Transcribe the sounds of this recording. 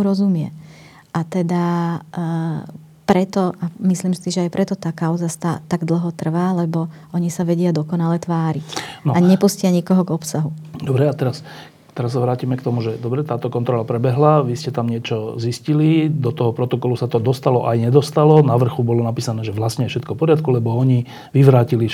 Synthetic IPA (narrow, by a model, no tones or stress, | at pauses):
ɾɔzumɪɛ̰ | ʔat̪ɛd̪a | pɾɛt̪ɔʔamislimsiʒɛajpɾʔɛt̪ɔt̪aːkaʊzast̪at̪aɡd̪l̩ˠɦɔt̪r̩ʋaːlɛbɔʔɔɲisaʋɛɟɪad̪ɔkɔnalɛt̪ʋaːɾinɔaɲɛpuscɪaɲikɔɦɔɡɔpsaɦud̪ɔbɾɛat̪ɛɾas | t̪ɛɾas̬ːaʋɾaːcimɛkt̪ɔmuʒɛd̪ɔbɾɛt̪aːt̪ɔkɔnt̪ɾɔlapɾɛbɛɦlaʋiscɛt̪amɲɪɛt͡ʃɔziscilid̪ɔt̪ɔɦɔpɾɔt̪ɔkɔlusat̪ɔd̪ɔst̪alɔʔajɲɛd̪ɔst̪alɔnaʋr̩xubɔlɔnapiːsanɛːʒɛʋlasɲɛfʃɛt̪kɔpɔɾat̪̚kulɛbɔɔɲi | ʋiʋɾaːcili